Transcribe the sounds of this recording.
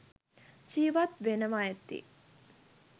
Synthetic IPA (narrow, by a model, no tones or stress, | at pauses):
t͡ʃiːʋat̪ʋenəʋaet̪ːḭ